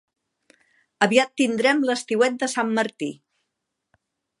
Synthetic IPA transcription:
əβiat̪ːind̪ɾɛmləst̪iwɛt̪̚d̪əsamːəɾt̪i

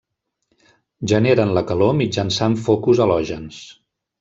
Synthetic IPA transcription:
ʒəneɾənləkəlomid͡ʒənsaɱfokuzəlɔʒəns

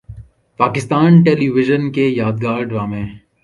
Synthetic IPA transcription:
paːkɪst̪aːnʈeːliʋɪʒənkejaːd̪̚ɡaːɾɖʋaːmẽː

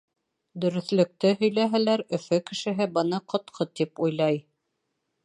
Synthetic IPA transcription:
d̪ɵ̆ɾɵ̆θlɵ̆k̚t̪ɘɦɵ̆jlæɦælæɾɵ̆fɵkɘ̆ʃɘ̆ɦɘbɤ̆nɑqŏt̪qʰot̪ipujlˠɑj

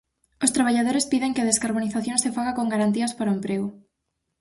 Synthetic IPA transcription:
ost̪ɾaβ̞aʎað̞oɾespiðeŋkɪað̞eskaɾβ̞oniθaθjõŋsefaɣakoŋɡaɾant̪iɐspaɾoempɾeɣʊ

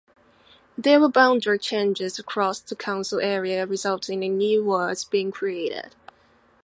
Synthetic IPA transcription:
ðəwəbãʊ̃ndət͡ʃʰẽɪ̃nd͡ʒɪzəkʰɹ̥ɔsðəkʰãʊ̃nsəlɛɹiəɹɪzʌlˠtʰɪ̃ŋɨ̃njʉwɜz̥biɪ̃ŋkʰɹ̥ieɪɾɪ̰d̥

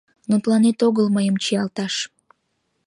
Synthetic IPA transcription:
not̪lɑnet̪oɣəlməjəmt͡ɕijɑlt̪ɑʃ

